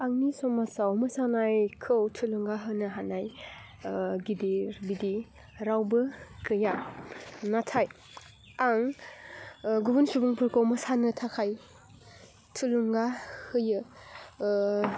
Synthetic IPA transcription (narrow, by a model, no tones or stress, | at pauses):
aŋnisɔmasawmɐsanajkʰɯwtʰɯluŋɡaɦɯnɯɦanaj | ɡidiɾbidi | ɾawbɯkʰɯja | natʰaj | aŋ | ɡubunsubuŋpʰɯɾkʰowmɐsanɯtʰakʰaj | tʰɯluŋɡahɯjɯ